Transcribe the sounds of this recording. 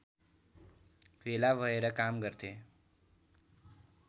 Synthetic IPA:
ʋelaʋəeɾəkamɡəɾt̪ʰe

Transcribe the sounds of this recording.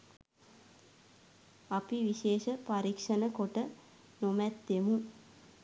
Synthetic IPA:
apiʋiʃeːʃəpaɾikʂənəkoʈə | nomɛt̪ːemu

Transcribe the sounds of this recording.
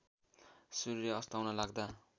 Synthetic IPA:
suɾiɾeʌst̪awnʌlaɡ̚d̪a

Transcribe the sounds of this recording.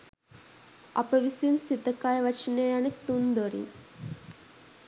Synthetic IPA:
ɐ̰pɐʋisiunsit̪ɐkajʋɐt͡ʃinejanikt̪und̪oɾḭn

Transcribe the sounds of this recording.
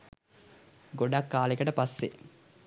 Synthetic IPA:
ɡoɖakːaːlekəʈəpasːḛ

